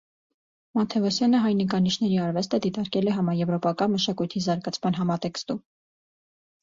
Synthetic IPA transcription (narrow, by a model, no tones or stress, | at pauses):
mɑt̪ʰɛvɔsjɑnəɦɑjnikɑniʃʰn̪ɛɾiɑɾvɛst̪əd̪it̪ɑɾkɛlɛɦɑmɑɾjɛvɾɔpɑkɑnməʃɑkujt̪ʰizɑɾɡɑt͡sʰmɑn̪ɦɑmɑt̪ɛkst̪um